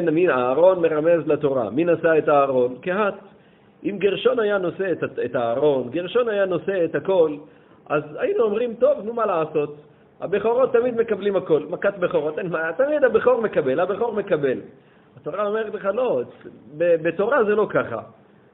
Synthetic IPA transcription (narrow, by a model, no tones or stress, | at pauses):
nmiaːʁo̞nme̞ʁame̞zlat̪o̞ʁa̰minasaet̪aːʁo̞nkehat̪ | ʔimɡiʁʃo̞najano̞setaetaːʁo̞nɡeʁʃo̞najano̞se̞et̪hako̞l | ʔazajinuomʁimt̪o̞vnumalaːso̞t̪ | ha̰beχo̞ʁo̞t̪ːamid̪me̞kablimhako̞lmakat̪beχo̞ʁat̪enmat̪amid̪habeχo̞ʁme̞kabe̞labeχo̞ʁme̞kabe̞l | at̪o̞ʁaomeʁetleχalo̞bebet̪o̞ʁaze̞lo̞kaχa̰